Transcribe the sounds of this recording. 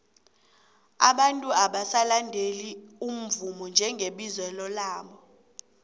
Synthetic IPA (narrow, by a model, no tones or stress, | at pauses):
a̰ɓantʼuaɓasalandʱelium̩vumɔnd͡ʒʱɛŋɡʱeɓizwɛlɔlaːɓɔ